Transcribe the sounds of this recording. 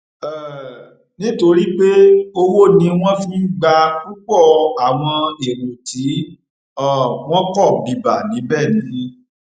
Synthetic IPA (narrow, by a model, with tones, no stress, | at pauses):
ɛ˨ | nĩ˦to˧ɾi˦k͡pe˦o˧wo˦nĩ˧w̃ɔ̃˦fĩ˦ɡ͡ba˧k̚u˦k͡pɔ˦˨a˨w̃ɔ̃˧e˨ɾo˨ti˨˦ | ɔ˦˨w̃ɔ̃˦kɔ˦˨bi˨ba˨nĩ˨˦bɛ˦˨nĩ˨˦